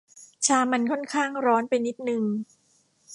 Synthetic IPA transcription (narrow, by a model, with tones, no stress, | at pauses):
t͡ɕʰaː˧ma˧nkʰɔ˥˩nkʰaː˥˩ŋɾɔː˦˥npa˧jni˦˥t̪̚nɯ˧ŋ